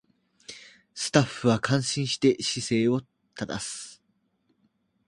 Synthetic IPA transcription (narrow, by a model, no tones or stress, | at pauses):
sɨ̥t̪aɸːɯ̟βakʰãɰ̃ɕĩɰ̃ɕi̥t̪e̞ɕise̞ːo̞ | t̪ʰad̪a̰sɨ̥